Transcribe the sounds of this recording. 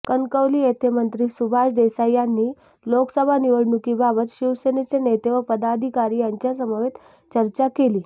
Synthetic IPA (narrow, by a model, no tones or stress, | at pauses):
kənkəʋliːet̪ʰemənt̪ɾiːsubʱaɕɖesajanːiː | loksəbʱaniʋəɽɳukibabət̪ɕiʋsenet͡senet̪eʋəpəd̪ad̪ʱikaɾiːjaɲt͡ɕjasəməʋet̪ | t͡ɕəɾt͡ɕakeliː